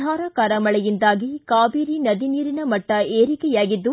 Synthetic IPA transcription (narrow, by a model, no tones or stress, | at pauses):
aːɾɐkɐːɾɐmɐɭɛjind̪aːɡikaːbiːɾinɐd̪iniːɾinɐmɐʈːɐeːɾikɛjaːɡid̪ːu